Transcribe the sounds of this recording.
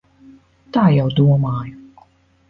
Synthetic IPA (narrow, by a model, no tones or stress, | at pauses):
t̪aːjawd̪uɔmɑːj